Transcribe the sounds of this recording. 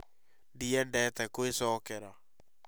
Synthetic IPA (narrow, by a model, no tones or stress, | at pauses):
ndiɛndɛt̪ɛkoesɔːkɛɾa